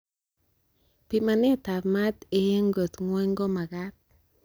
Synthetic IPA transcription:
pi˨ma˨ne˦˨ta˨pma˦t̪ɪ˨je˦ŋɡo˨t̪ŋwɔ˦ŋɡɔ˦ma˨ka˦t̚

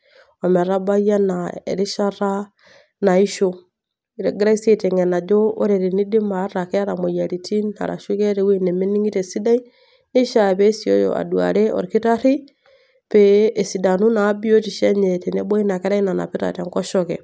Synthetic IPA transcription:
ɔ˨mɛ˨ɾa˦ba˦ja˦na˨ḛ˨ɾi˦ʃa˦ɾa˦ | na˨i˦ʃo˦ | ɾɛ˨ɡɾa˦i˦se˦te˨ŋɛ˨na˨d͡ʒoː˦ɾe˨ɾi˨ni˦di˦ma˨˦ɾa˨kɛ˦a˦ɾa˨mɔ˨ja˨ɾi˨ti˦na̰˨ɾa̰˨ʃu˦kɛ˦ɾe˨wi˦ne˨me˦ni˦ŋi˦te˨si˦da˦i˦ | ne˦ʃa˨pɛ˦sio̰˦jo̰˨ʔa̰˨dwa̰˨ɾe˦ɔ̰˨ɾki˦ta˦ɾi˦ | pe˦e˨si˨da˨nu˦naː˨˦bi˦o˦ti˨ʃɛ˦ɲɛ˨te˨nɛ˦bɔ˦i˦na˨kɛ˦ɾa˦i˦na˨na̰˨pi˦ɾa̰˨tɛ˨ŋkɔ˦ʃɔkɛ˨

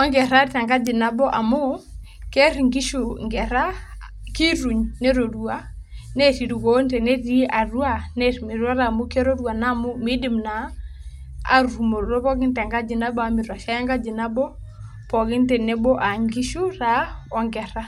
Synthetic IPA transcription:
ɔ˦ŋɡɛ˨ɾa˦ta˨ŋɡa˦d͡ʒɪ˨na˦bɔ˦ʔa˨mʊ˦ | kɛ˦ɾŋɡi˦ʃu˨ŋɡɛ˨ɾa˦ | ki˦ɾu˨ɲne˦ɾo˨ɾua˦ne˦ti˨ɾu˨ɡo˦ntɛ˨ne˦ti˦a˨ru˦a˦ne˦ɾmi˨ɾwa˦ɾa˦˨mʊ˦ke˦ɾo˦ɾu˦a˨na˦mʊ˦mi˦di˦˨mna˨ | a̰˨ɾɾu˨mo˨ɾɾo˦pɔ˦ɡɪ˦nta˨ŋɡa˦d͡ʒɪ˨na˦ba˨mi˨ɾwa˨ʃa˦ja˦ŋɡa˦d͡ʒi˨na˦bɔ˦ | pɔ˨ɡɪ˦ntɛ˨nɛ˦bɔ˦ʔa˨ŋɡi˦ʃu˦ra˦ɔ˨ŋɡɛ˨ɾa˦

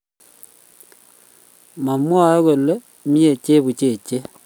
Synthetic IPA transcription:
ma˨mwa˦o˦ɣo˨lo˦ | mje˨t͡ʃe˦βu˨t͡ʃe˨t͡ʃe˦

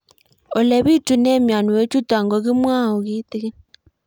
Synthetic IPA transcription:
o˨lɛ˨βi˦tu˨ne˦mja˨nu˨je˦t͡ʃu˦twa˨ŋɡɔ˨ɣi˦mwaː˦o˨ɣi˦ti˦ɣe˦

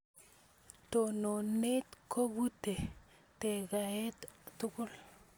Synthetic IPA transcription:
to˨no˨ne˦tkʰo˦bu˦te˨ | te˨ka˨ɛ˦ta˨tʊ˦kʊ˦l

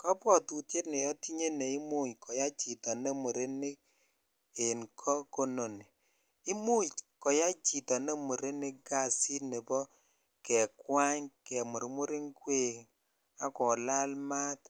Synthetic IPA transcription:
kɔ˦pɔ˦˨tu˨te˦tne˨jɔ˦ti˦ɲe˦nɛ˨i˦mu˦˨ɲkʰɔ˨ja˦t͡ʃi˨tɔ˨ne˦mu˨ɾe˦ni˦k̚ | e˨nkʰɔ˦ko˦no˨ni˨ | i˦mu˦t͡ʃkɔ˨ja˦t͡ʃi˨tɔ˨ne˦mu˨ɾe˦nɪ˦k̚ɡa˦˨si˦ne˨bɔ˦ | kɛ˨kwa˦ɲkɛ˨mu˨ɾmu˦ɾi˦ŋkwe˨ŋ | a˨kɔ˨la˦lma˦t

